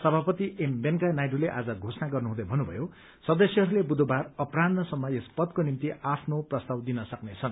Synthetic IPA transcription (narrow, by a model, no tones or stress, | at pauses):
sʌbʱapʌt̪iʔembenkanajɖuleʔa̰d͡zʌɡʱosʌnaɡʌrnuɦũd̪ʌjbʱʌnːubʱʌ̰jo | sʌd̪ʌsjʌɦʌɾulebud̪obarʌpranʌsʌmːʌespʌd̪̚konimt̪iʔapʰnoprʌst̪awd̪inʌsʌknet͡sʰʌn